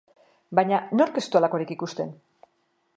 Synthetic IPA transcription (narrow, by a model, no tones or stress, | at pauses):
baɲano̞ɾke̞st̪ualako̞ɾikikust̪e̞n